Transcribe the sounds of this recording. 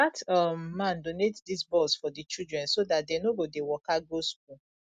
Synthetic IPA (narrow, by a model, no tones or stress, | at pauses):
atɔmːãndonetdisbɔlsfɔdit͡ʃidɹɛ̃nsodat̚denoɡodewɔkaɡosk̚u